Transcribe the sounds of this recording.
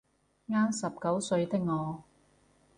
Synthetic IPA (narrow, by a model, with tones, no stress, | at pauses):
ŋaː˥nsɐ˨p̚kɐ˨˥wsɵ˧ɥt̪ɪ˥k̚ŋɔː˨˧